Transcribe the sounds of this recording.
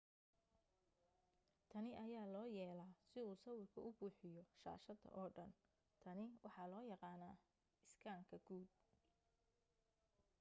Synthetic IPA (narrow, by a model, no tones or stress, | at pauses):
t̪ʰɐnɪʔɐjaːlɔːjɛːlaːsɪuːsɐwɪrkʰɐʔʊbuːħɪjɔʃa̰ːʃɐðɐ̰ʔɔːɖɐn | t̪ʰɐnɪwʔɑħɑlɔːjɑqɑːnaː | ɪskʰaːŋkʰɐɡuːd̪̚